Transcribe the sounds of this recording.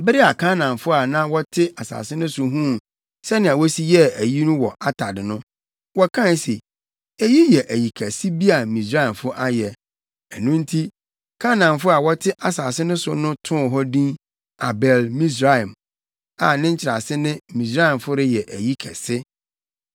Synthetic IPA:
bɪ˦ɾi˦a˨kʰã˦nã˨mfʊ˦a˨nã˦wɔ˦tʰɪ˦ʔa˨sa̰ː˨sɪ˦nʊ̃˦sʊ˦ɦũ˦˨ | sɛ˦nɪ̃˨a˨wɔ˦si˦jɛ˦æ˨ji˦nũ˦wɔ˨ʔa˦tʰa˨dɪ˨nʊ̃˦ | wɔ˦kʰã˦˨n˦se˨ | e˨ji˦jɛ˨ʔæ˨ji˨kʰɛ˨sɪ˦bi˦a˨mĩ˨sɾa˦ɛ˨mfʊ˦ʔa˦jɛ˨ | ɛ˨nũ˦n̩˦tʰi˦ | kʰã˦nã˨mfʊ˦a˨wɔ˦tʰɪ˦ʔa˨saː˨sɪ˦nʊ̃˦sʊ̰˦nʊ̃˦tʰʊ̃˦˨ɦɔ˦dĩ˦n | a˨bɛ˨lmĩ˦s̬ɾa˦˨m | a˨nɪ̃˦ɲ̩˦t͡ɕʰɪ˨ɾa̰˨sɪ˦nɪ̃˦mĩ˨sa˦ɪ˨mfʊ˦ɾɪ˦jɛ˨ʔæ˨ji˦kʰɛ̰˨sɪ˦

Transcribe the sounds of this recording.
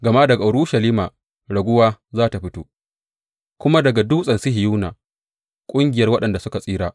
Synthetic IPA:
ɡɐ˨ma˦dɐ˨ɡa˨ʊ˨ɽuː˦ʃɐ˨liː˦maː˨ | ɽɐ˨ɡʷʊ˦waː˦zaː˦ta˨ɸɪ˦toː˦ | kʷʊ˦ma˦dɐ˨ɡa˨du˦sʼɐ˨nsɪ˦ɦɪ˨juː˦na̰ː˨ | kʷʼʊ˦ŋɡʲɪ˨jɐ˦rwɐ˦ɗɐ˨nda˨sʊ˦ka˨sʼiː˦ɾaː˨

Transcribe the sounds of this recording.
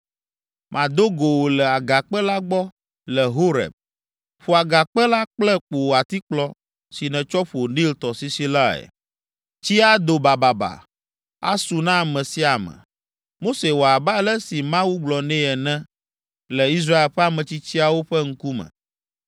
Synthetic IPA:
mʔã˨d̪o˦ɡo˨wo˨lɛ˨a˨ɡa˨k͡pɛ˦la˦ɡ͡bɔ˦ | lɛ˨ɦo˦ɾɛ̰˨b̚ | ɸo˨a˨ɡa˨k͡pɛ˦la˦k͡plɛ˦k͡po˨wa˨t̪i˦k͡plɔ˦ | si˨nɛ̃˨t͡ʃɔ˦ɸu˨o˨nĩ˦lt̪ɔ˨si˦si˦la˦ɛ̰˨ | t͡ɕi˦a˦d̪o˨ba˨ba˨ba̰˨ | a̰˦su˨nã˦˨mɛ̃˨si˦a˨mɛ̰̃˨ | mo˦se˨wo˨a˨ba˦lɛ˦si˨mã˦wu˦ɡ͡blɔ˨nɛ̃˦ɛ˨nɛ̃˦ | lɛ˨i˦s̬ɾa˦e˨lɸɛ˦a˦mɛ̃˨t͡ɕi˦t͡ɕi˦a˨wo˦ɸɛ˦ŋ̩˦ku˦mɛ̰̃˨

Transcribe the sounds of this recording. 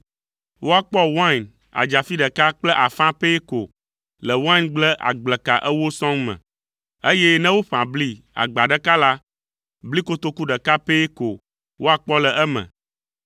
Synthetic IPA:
wo˦a˨k͡pɔ˦wã˦˨n | a̰˨d͡ʒa˨fi˦ɖɛ˨ka˦k͡plɛ˦ʔa˨fã˦pe˦ko˨ | lɛ˨wã˦nɡ͡blɛ˦ʔa̰˨ɡ͡blɛ˨ka˨ʔɛ˦wo˦sɔ̃˦ŋmɛ̰̃˨ | e˦je˦nɛ̃˦wo˦ɸã˨bli˦ | a̰˨ɡ͡ba˨ɖɛ˦ka˦la˦ | bli˦ko˦t̪o˦ku˦ɖɛ˨ka˦pe˦ko˨ | wo˦a˨k͡pɔ˦lɛ˨ʔɛ˦mɛ̰̃˨

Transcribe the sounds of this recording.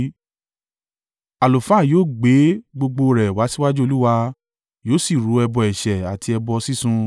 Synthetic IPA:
a˨lo˨fa˦˨joː˦˨ɡ͡be˨˦ɡ͡bo˧ɡ͡bo˧ɾɛ˨wa˨˦si˦wa˦d͡ʒu˦o˧lu˦wa˧ | joː˦si˦˨ɾu˨˦ɛ˧bɔ˧˨ɛ˨ʃɛ˨a˨ti˧ɛ˧bɔ˧si˦sũ˧

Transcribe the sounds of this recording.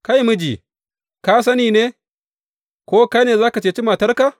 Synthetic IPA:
ka˦jmɨ˦d͡ʒḭ˨ | ka˦s̬ɐ˦niː˨ne˦ | ko˦ka˦ne˨zaː˦ka˨t͡ʃe˨t͡ʃi˦ma˨tɐ˦ɾka˦˨

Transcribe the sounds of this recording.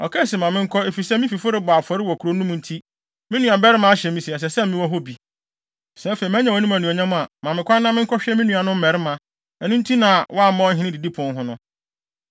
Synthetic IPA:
ɔ̰˨kʰɛ˦˨si˨mã˨mɪ̃˦ŋ̩˦kʰɔ˦e˨fi˨sɛ˦mɪ̃˦fi˨fʊ˦ɾɪ˦bʊ˨a˨fɔ˨˦ɾɪ˦wɔ˨kʰu˨ɾo˦n˦ũ˦m̃˨n̩˦tʰi˦ | mɪ̃˦nũ˨ã˨bɛ˦ɾɪ˦mã˨˦a˦ɕɛ˨mĩ˦si˨ɛ˨s̬ɛ˨sɛ˦mɪ̃˦wɔ˦ɦo˦bi˨ | sɛ̃˦fe˨i˨mæ̃˦ɲã˨wɔ˨˦nũ˦mæ˨nũ˨ɲã˦mʊ̃˦a˨mã˨mɪ̃˨kʷʰã˦nːã˦mɪ̃˦ŋ̩˦kʰɔ˦ɕᶣɛ˦mĩ˦nũ˨a˨nʊ̃˦m̩˦mɛ˨ɾɪ˦mã˨ | ɛ˨nʊ̃˦n̩˦tʰi˦nã˨wʔɔ˦a˦˨m̩˦mã˦ɦɪ̃˦nɪ̃˦di˨di˦pʰʊ̃˨n˦ɦʊ̃˦nʊ̃˦

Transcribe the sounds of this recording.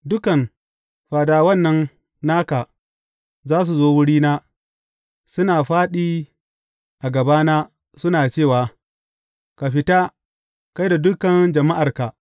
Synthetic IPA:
dʊ˦kɐ˨n | ɸaː˨daː˨wɐ˦˨nːɐ˦n | naː˦ka˨ | zaː˦s̬u˨zoː˦wʊ˦ɽiː˦naː˦ | sʊ˦naː˨ɸaː˦ɗiː˦ | ʔa˨ɡɐ˨baː˦naː˦ | sʊ˦naː˨t͡ʃeː˦˨waː˨ | ka˨ɸɪ˦ta˦ | ka˦jda˨dʊ˦kɐ˨nd͡ʒɐ˨ma˦ʔa˨rka˨

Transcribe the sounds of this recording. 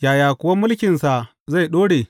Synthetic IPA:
jaː˨jaː˨kʷʊ˨wa˦mʊ˦lkʲɪ˨nsa˨ | za˦˨jɗoː˦ɽeː˨

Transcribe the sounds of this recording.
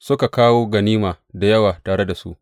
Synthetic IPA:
sʊ˦ka˨kaː˦woː˦ɡɐ˨niː˦maː˨ | da˨jɐ˦waː˨taː˨ɽe˦da˨sṵ˦ʔ

